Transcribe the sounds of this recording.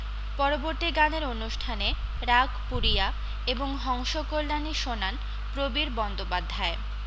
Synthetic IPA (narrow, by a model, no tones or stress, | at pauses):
pɔɾoboɾt̪iɡaneɾonuʃʈʰane | ɾaɡpuɾia | eboŋɦɔŋʃokolːaniʃonan | pɾobiɾbɔnd̪opad̪ʱːae